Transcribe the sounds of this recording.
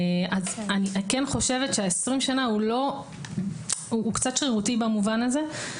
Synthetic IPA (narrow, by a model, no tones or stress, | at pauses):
ʔazaniʔakenχo̞ʃe̞vetʃeaesʁimʃanaulo̞ | uːkt͡satʃχiʁutibamuvanaze̞